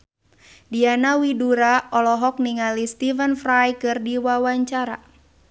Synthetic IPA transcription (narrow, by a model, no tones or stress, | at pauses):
dianawiduɾaɔlɔɦɔk̚niŋalist̪ivənfrajkɨrdiwawaɲt͡ʃaɾa̰